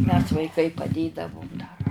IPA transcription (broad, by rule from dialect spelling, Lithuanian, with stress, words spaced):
mʲɛs ʋɐɪˈkɐɪ pɐˈdʲeːdɐʋʊm dɐr